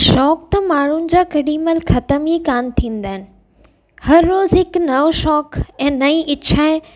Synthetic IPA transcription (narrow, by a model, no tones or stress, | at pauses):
ʃɔːk̚t̪ɐmaːɳ̤ʊnɪ̆d͡ʑaːkɐɗiməlxʰɐt̪əmikaːnt̪ʰĩːn̆d̪aːɦɪnɪ̆ | hɐɾːoːzɦɪknɐʋʃɔːkɛ̃ːnɐiʔɪt͡ɕʰaːɪ